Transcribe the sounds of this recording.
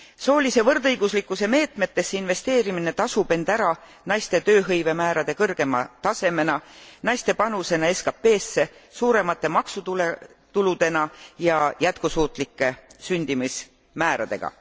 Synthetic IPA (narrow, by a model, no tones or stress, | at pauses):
so̞ːlise̞vɤrd̪ɤjɡ̥uslikːˑuse̞me̞ːt̪me̞t̪ːe̞sːeinve̞st̪e̞ːɾimine̞t̪ɑsub̥e̞nd̪æɾɑ | nɑjst̪e̞t̪ø̞ːɦɤjve̞mæːɾɑd̪̥e̞kɤrɡ̥e̞mɑ̰t̪ɑse̞me̞nɑnɑjst̪e̞pɑnuse̞nɑe̞skɑpːe̞ːsːe̞suːɾe̞mɑt̪ːe̞mɑksut̪ule | t̪ulud̪̥e̞nɑjɑjæt̪kusuːt̪ˑlikːˑe̞synʲd̪̥imis | mæːɾɑ̰d̪̥e̞̰ɡ̥ɑ̰